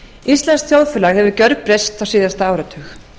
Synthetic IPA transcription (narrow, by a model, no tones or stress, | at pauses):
ist̪lɛnskθjowðfɛlaɣhɛvʏcœɾk̚pɾejst̪awsɪːðast̪aaːwɾat̪ʰʏx